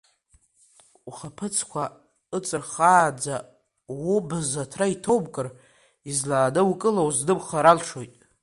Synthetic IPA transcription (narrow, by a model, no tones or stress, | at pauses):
uχapʰɨt͡sʰkʷʰa | ɨt͡sʼɨrχaːd͡za | wubɨzatʰraitʰowbkʼɨr | izlaːdɨwukʼɨlowzdɨbχaɾalʂojtʼ